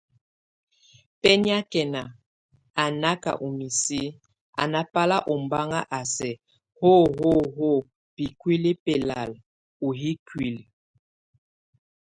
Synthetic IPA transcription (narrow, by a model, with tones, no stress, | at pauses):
pɛ˦ni˦a˦kɛ˨na˨ | a˨na˦ka̰˨ʔu˨mi˨si˦ | a̰˨na˦pa˦la˦ʔɔ˨mba˦ŋa˦ʔa˨sɛ˨ | ho˦ɦo˦ɦo˦˨ | pi˨kwi˦li˦pɛ˨la̰˨l | u˨ɦi˦kwi˦˨l